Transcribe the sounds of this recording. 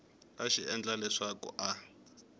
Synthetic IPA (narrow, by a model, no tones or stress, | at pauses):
aʃiɛnd͡ɮalɛʂakṵʔa